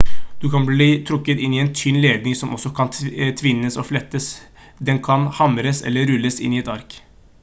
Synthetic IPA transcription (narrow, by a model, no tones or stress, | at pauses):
d̪ʉkʰɑnbliːt̪ʰɾʊkːət̪ɪnːiɛnt̪ʰynleːd̪̚nɪŋsɔmʔɔsːɔkʰɑnt̪ʰʋɪnːəsɔflɛt̪ːəs | d̪ɛnkʰɑnhɑmɾəsɛ̰lːəɾʉlːəsɪ̰niɛt̪ɑɾk